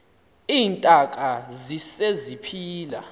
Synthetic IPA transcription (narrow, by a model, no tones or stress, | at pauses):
iːntʼak̬ʼazisezipʰiːla